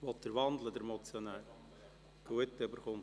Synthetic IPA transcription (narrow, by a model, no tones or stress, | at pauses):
ʋɔt̪d̥əɾʋɑnd̪ləd̪əɾmɔt͡sjɔnɛl | ɡ̥uət̪ːøbəɾχʊm